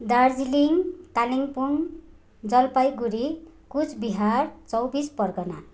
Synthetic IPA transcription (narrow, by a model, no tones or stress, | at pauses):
d̪ard͡ziliŋt̪aliŋpun | d͡zʌlpajɡuɾikut͡sʰbiɦart͡sʌwbispʌrkʌna